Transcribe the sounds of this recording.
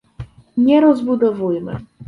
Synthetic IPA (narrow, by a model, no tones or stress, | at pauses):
ɲɛɾɔzbud̪ɔvujmɘ̰